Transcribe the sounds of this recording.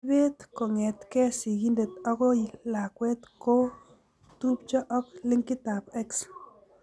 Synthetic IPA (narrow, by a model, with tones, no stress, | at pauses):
be˦t̪ko˨ŋe˨t̪ke˦si˨ɡi˦nd̪e˨t̪ɔ˦ɣo˦jla˨kwe˦t̪ko˦ | t̪u˦pt͡ʃɔ˦ʔɔ˦kle˦ŋki˦t̪a˨pe˦ks